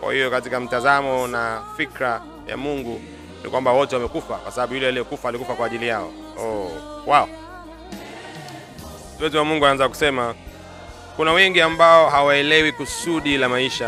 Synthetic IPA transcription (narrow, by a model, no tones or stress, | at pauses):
kwa̰hijɔkatikam̩tazamɔnafikɾa | ja̰muŋɡu | nḭkwambawɔtɛwamɛkufakwasaɓaɓujulɛalijɛkufaːlikufakwaːʄilijaɔ̰ | ɔwaɔ | siwɛziwamuŋɡuanaanzak̬u̥sɛma | kunawɛŋɡiambaɔɦawaɛlɛwikusuɗilamaiʃa